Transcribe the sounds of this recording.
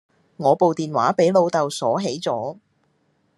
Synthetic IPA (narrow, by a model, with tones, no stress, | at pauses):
ŋɔː˨˧po˨wt̪iː˨nwa̰ː˨˥pe˨˥jlo˨˧wt̪ɐ˨wsɔː˨˥ɦe˨˥jt͡sɔː˨˥